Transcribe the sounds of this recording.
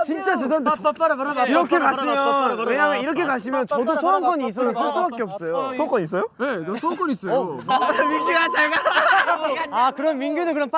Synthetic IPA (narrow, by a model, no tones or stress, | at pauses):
t͡ɕint͡ɕ͈at͡ɕes̬ʰantp͈ɾɾiɾʌkʰekaɕʰimjʌnweɲaŋaiɾʌkʰe̞kaɕ̬ʰimjʌnt͡ɕʌdosʰoank͈ʌɲiːs̬͈ʌsʌs̬͈ɯɭs͈ubak͈eʌp̚s͈ʌjooaŋk͈ʌɲis͈ʌjonenesʰoaŋkwʌnis͈ʌo | miɡuat͡ɕeɡa | akɯɾʌnminɡjunɯɭkɯɾʌnp